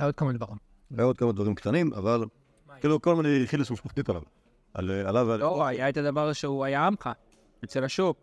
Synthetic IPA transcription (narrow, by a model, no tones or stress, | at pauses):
ajod̪̚kamamid̪baʁim | ajaod̪kamad̪vaʁimkt̪animʔa̰val | kiːlukolmaniχilːisuʃaχt̪it̪ala̰v | a̰lalavaoajaet̪ad̪avaʁʃeuajaamχa | et͡selaʃop̚